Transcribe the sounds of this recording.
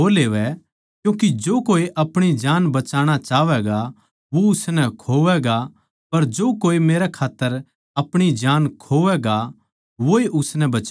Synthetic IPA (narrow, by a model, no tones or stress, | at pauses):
oleːʋɛ | kjũːkid͡ʒoːkoːiʔɐpɽ̃id͡ʒaːnbɐt͡ʃaːɽ̃at͡ʃaːʋɛɡa | ʋoʊsnɛkʰoːʋɛɡa | pɐɾd͡ʒoːkoːimeːɾɛkʰaːt̪ːəɾ | ɐpɽ̃id͡ʒaːnkʰoːʋɛɡa | ʋoeʔʊsnɛbɐt͡ʃ